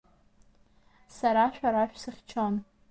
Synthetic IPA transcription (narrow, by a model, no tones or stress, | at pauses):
saɾaʃᶣaɾaʃᶣsɨχʲt͡ʃʰon